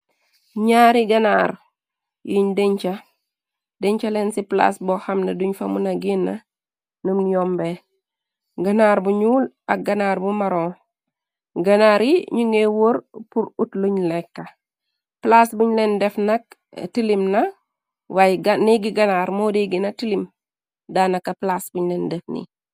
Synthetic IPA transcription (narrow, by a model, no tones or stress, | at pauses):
ɲaːɾiɡanaːɾ | jʔiɲdeɲt͡ʃa | deɲt͡ʃalensipla̰sbohamnaduɲfamunaɡinːa̰ | numnjombe | ɡanaɾbuɲuːl | ak̚ɡanaɾbumaɾo | ɡɐnaɾiɲuŋɡewoɾpuɾutluɲlɛkːɐ | plasbuɲlendɛfnɐk | tilimnɐ | wajɡniɡiɡanaɾmodeɡinɐtilim | danɐkːɐplasbuɲlendɛfnḭ